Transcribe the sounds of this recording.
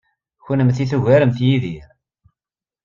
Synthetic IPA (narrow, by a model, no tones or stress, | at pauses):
çʊnəmθiθəʝæɾəmθjiðiɾ